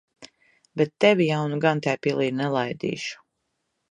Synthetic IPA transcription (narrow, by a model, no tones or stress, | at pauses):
bɛt̪ːɛvʲijawnuɡant̪ʲɛjpilˠiːɾnɛlˠajd̪ḭːʃu̥